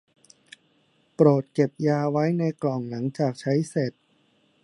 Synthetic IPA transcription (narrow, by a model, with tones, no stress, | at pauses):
pɾoː˨˩t̪̚ke˨˩p̚jaː˧wa˦˥jna˧jklɔ˨˩ŋla˩˦ŋt͡ɕaː˨˩k̚t͡ɕʰa˦˥jse˨˩t̪̚